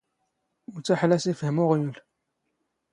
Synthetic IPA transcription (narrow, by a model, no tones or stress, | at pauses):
mut͡sːaħlæsifhəmuʁjul